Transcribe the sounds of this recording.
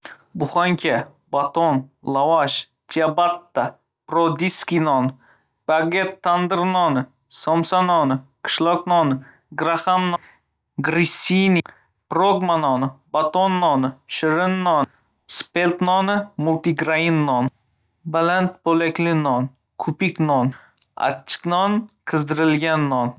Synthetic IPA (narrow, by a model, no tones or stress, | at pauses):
bʊχaŋkʲa | bat̪onlˠavaʃ | t̪ʲʰiabat̪ːa | pɾod̪iskʲinɒn | b̥aɡʲet̪ʰːand̪ɨɾnɒnɨ | sɔmsanɒnɨqʰɨ̥ʃlˠɒknɒnɨ | ɡɾaχamn | ɡɾisʲini | pɾoɡmanɒnɪbat̪onːɒnɪʃɪɾɪnːɒn | spelt̪nɒnɨmʊlˠt̪iɡɾainːɒn | balant̪̚bolakʲlɪnɒn | kʰʊpikʲnɒn | a̰t͡ʃʰːɪ̥knɒnkʰɨzd̪ɪɾɪlɡʲanːɒn